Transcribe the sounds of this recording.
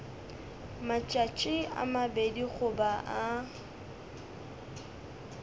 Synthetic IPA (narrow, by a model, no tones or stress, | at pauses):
mat͡ʃʼat͡ʃʼɪa̰mabediɣʊbaʔa